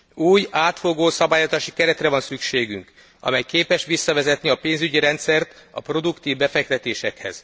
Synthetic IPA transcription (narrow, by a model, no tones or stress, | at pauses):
uːjaːt̪fo̞ɡoːsɒbaːjozaːʃikɛɾɛt̪rɛvɒnsykʃeːɡyŋk | ɒ̰mɛjkeːpɛʃʋisːɒvɛzɛt̪niɒpeːnzyɟiɾɛnt̪sɛrt̪ɒ̰pro̞d̪ukt̪iːvbɛfɛk̚t̪ɛt̪eːʃɛkhɛ̰z̥